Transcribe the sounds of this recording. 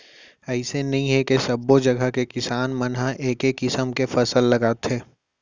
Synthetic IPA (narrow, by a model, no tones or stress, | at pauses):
ɛːsenɐɦĩɦɛkesɐbːod͡ʒɐɡʱəkekɪsaːnmɐnɦãʔeːkekːɪsəmkefɐsəlːɐɡaːt̪ɦeː